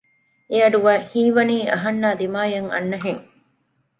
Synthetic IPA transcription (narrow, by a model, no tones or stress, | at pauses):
eɐɖuʋaːhiːʋɐniːɐɦɐnːaːd̪imaːjɐŋɐ̰nːɐɦeŋ